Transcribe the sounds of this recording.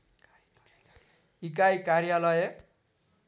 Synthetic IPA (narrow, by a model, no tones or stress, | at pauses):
ik̬ajkaɾjalʌje